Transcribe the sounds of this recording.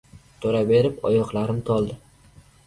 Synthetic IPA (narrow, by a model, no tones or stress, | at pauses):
t̪ʰoɾabe̞ɾɪpɒ̰jɒqlˠaɾɪmt̪ʰɒlˠd̪ɪ